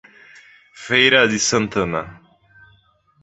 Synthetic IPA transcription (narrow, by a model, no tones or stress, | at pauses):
fejɾad̪isənt̪ʰəna